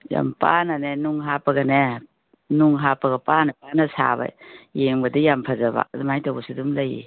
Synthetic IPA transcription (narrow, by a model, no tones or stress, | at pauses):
ja̰mpananenuŋɦapɐɡɐne | nuŋɦapɐɡɐpanɐpanɐsa̰βa̰jeŋbɐdijampʰazaba̰ɐdumajtawbɐsidumlajḭ